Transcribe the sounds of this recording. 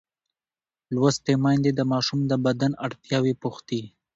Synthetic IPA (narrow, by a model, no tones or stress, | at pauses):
lwast̪emɑjnd̪ed̪əmɑʃumd̪əbad̪anaɽt̪jɑwipʊxt̪i